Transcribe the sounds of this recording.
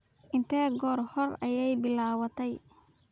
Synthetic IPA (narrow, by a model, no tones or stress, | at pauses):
ʔɪnt̪ʰɛːɡɔːrhɔrɐjɛjbɪlaːwɐt̪ʰɛj